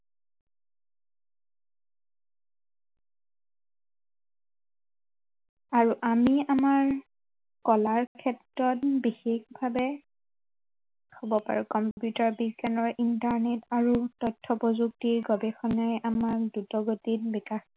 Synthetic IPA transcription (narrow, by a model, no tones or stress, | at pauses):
aɹuʔamiamaɹ | kɔlaɹkʰɛtɹɔt̚bixexbʱabɛ | xɔbɔpa̰ɹukɔmpjutaɹbikanɔɹʔintaɹnetaɹutɔtʰːɔpɔzuk̚tiɹɡɔbɛxɔnajʔamaɹdutɔɡotitbikax